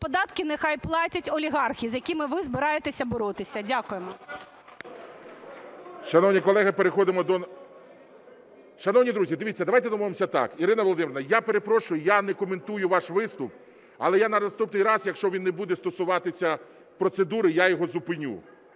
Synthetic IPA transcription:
pɔd̪ɑt̪kɪnexɑjplˠɑtʲɐtʲɔlʲiɦɑrxʲizjɐkʲimɪʋɪzbɪɾɑjet̪esʲɐbɔɾɔt̪ɪsʲɐdʲakʊjemɔ | ʃɐnɔwnʲikɔlˠɛɦɪpeɾexɔd̪ɪmɔd̪ɔ | ʃɐnɔwnʲid̪ɾuzʲid̪eʋʲitt͡sʲːɐd̪ɐʋajt̪ɛd̪ɔmɔʋemsʲɐt̪ɑ̰kiɾɪnɐʋolˠɔd̪ɪmeɾnɐjapeɾepɾɔʃʊjʊjanɛkɔment̪ujʊʋɑʃʋɪst̪ʊp̚ | ɐlˠɛjanɐnɐst̪upnɪjɾɑzjɐkʃt͡ʃɔʋʲinːɛbud̪ɛst̪ɔsʊʋɑt̪ɪsʲɐ | pɾɔt̪sed̪uɾɪjajɔɦɔzʊpɪnʲṵ

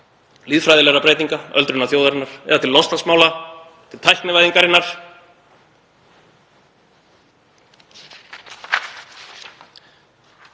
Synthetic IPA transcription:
liːðfɾajðɪlɛɾapɾeːjt̪iŋkaœ̰lt̪ɾʏnaθjowðaɾɪnːaɾ̥ɛ̰ðat̪ʰɪlːɔst̪asmaːwla | t̪ʰɪlt̪ʰajhk̪nɪvajðiŋkaɾɪnːaɾ̥

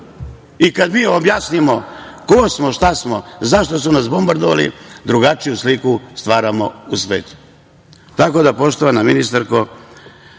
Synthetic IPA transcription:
ikad̪miːobjasnimoko̞smo̞ʃt̪asmo̞zaʃt̪o̞sunas̬bo̞mbaɾd̪oʋa̰lḭd̪ɾuɡat͡ʃijuslikust̪ʋaːɾamo̞̰usʋe̞ːt̪u̥ | t̪ako̞d̪apo̞ʃt̪oʋanaminist̪aɾko

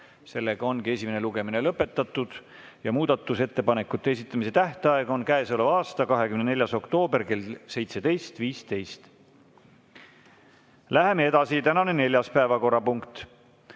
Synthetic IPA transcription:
se̞lːeɡ̥ɑo̞nkie̞sʲimene̞luɡ̥e̞mine̞lɤpːe̞t̪ːˑɑt̪ːˑud̪̥ | jɑmuːd̪̥ɑt̪ːˑuset̪ːe̞pɑne̞kːˑut̪ːe̞es̬ʲit̪ːˑɑmise̞t̪æht̪eɑe̞ɡ̥o̞nkæeso̞levɑːst̪ɑkɑɦekymnene̞lʲjɑso̞kt̪o̞ːbe̞rke̞lse̞jt̪se̞d̪̥e̞jst̪viːst̪e̞jst̪ | læɦe̞mee̞d̪̥ɑsit̪ænɑne̞ne̞lʲjɑspæevɑko̞rːɑpuŋkt̪

